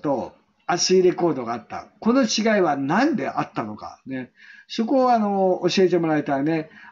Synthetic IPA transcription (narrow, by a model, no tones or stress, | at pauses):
t̪o | asɨiɾe̞ko̞ːd̪o̞ɡaːt̪ːa̰ko̞no̞t͡ɕiɡaiβanãnd̪e̞ʔat̪ːano̞ka̰ne̞so̞ko̞ːano̞oɕie̞t̪̬e̞mo̞ɾaet̪aɾne̞